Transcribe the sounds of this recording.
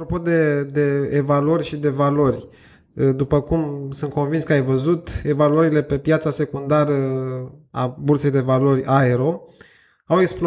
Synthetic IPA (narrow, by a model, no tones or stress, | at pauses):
ɾo̞po̞d̪e̞d̪e̞ːvaluorʲʃid̪e̞valo̞rʲ | d̪upəkumsɨnt̪̚ko̞nvinskəajvəzut̪e̞valuəɾile̞pe̞pjat̪sase̞kund̪aɾə | a̰burse̞jd̪e̞valo̞rʲaeɾo̞ | aweksplo